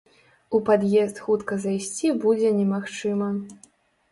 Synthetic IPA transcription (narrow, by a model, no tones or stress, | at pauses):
upad̪jɛst̪xut̪kɐzajsʲt͡sʲibud͡zʲɛnʲɛmaxt͡ʂɨmɐ